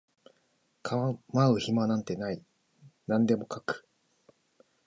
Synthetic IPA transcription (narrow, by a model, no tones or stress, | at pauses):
kʰaβamaɯ̟çimanãnt̪e̞nai | nãnd̪e̞mo̞kakɯ̟̥